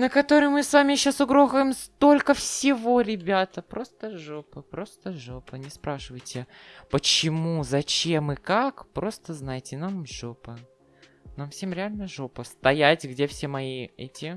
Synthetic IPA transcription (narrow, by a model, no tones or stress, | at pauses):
nəkɐt̪o̞ɾɨjmɨsvamʲɪjɪɕːosʊɡɾoɣəjmst̪o̞lʲkəfsʲɪvo̞ɾʲɪbʲat̪əpɾo̞st̪əʐopəpɾo̞st̪əʐopənʲɪspɾaʂɨvəjtʲɪpət͡ɕɪmuzɐt͡ɕe̞mɨkakpɾo̞st̪əznajɪtʲɪnamʐopə | namfsʲe̞mɾʲɪalʲnəʐopəst̪ɐjætʲɡdʲefsʲemɐiɛ̰tʲɪ